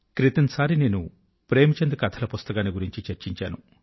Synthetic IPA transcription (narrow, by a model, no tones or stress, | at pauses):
kɾit̪ɐnɐsaːɾineːnṵ | pɾeːmit͡ʃend̪ɐkɐt̪ʰɐlɐpust̪ɐkaːniɡuɾiɲt͡ʃit͡ʃeɾt͡ʃiɲt͡ʃaːnu